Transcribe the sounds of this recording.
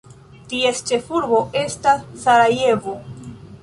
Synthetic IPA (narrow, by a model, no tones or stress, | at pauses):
tie̞st͡ʃe̞fuɾbo̞e̞stasːaɾaje̞vo̞